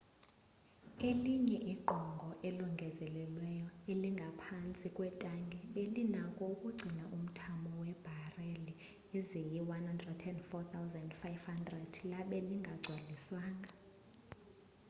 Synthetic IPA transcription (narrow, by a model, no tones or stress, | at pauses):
eliɲɛʔiɡ͡ǃʱɔŋɡʱɔʔeluŋɡʱɛzɛlɛlwɛjɔeliŋɡʱapʰant͡sʼikʼwɛtʼaŋɡʱɛɓelinakʼɔukʼuɡ͡ǀʱinaʔum̩tʰamɔwɛb̥ʱareli | ezijiwanhandrɛdʰɛndfɔt̪ʰawzandfajvhandrɛd̥laɓɛliŋɡʱaɡ͡ǀʱwaliswaːŋɡʱa